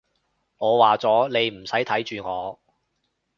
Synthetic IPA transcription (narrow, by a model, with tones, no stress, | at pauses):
ŋɔː˨˧waː˨t͡sɔː˨˥le˨˧jm̩˨˩sɐ˨˥jt̪ʰɐ˨˥jt͡ʃyː˨ŋɔː˨˧